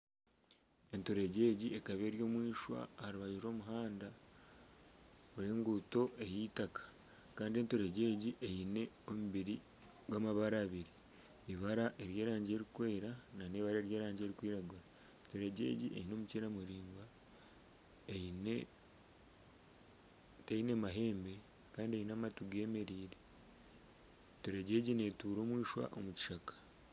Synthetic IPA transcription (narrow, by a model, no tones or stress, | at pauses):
e̞ntoɾe̞ɟe̞ːɟie̞kaβe̞ːɾjo̞ːmwiːʃwa̰haɾiβaʒiɾo̞ːmuɦaːnda | βuɾeːŋɡuto̞ʔe̞jitakḁ | kaːndie̞ntoɾe̞ɟe̞ːɟiʔejine̞ | o̞muβiɾi | ɡwamaβaɾaːβiɾi | iβaɾaʔe̞ɾje̞ːɾaːɲɟeɾikwe̞ːɾananeːβaɾaeɾje̞ːɾaːɲɟe̞ːɾikwiːɾaɡuɾa | to̞ɾe̞ɟe̞̰ːɟiḛjino̞muceɾamuɾiːŋɡa | ejine̞ | tejinemaɦe̞ːmbe̞ | kaːndiejinamatuɡe̞ːme̞ɾiːɾe | to̞ɾe̞ɟe̞ːɟine̞tuːɾo̞ːmwiːʃwa̰ʔomuci̥ʃakḁ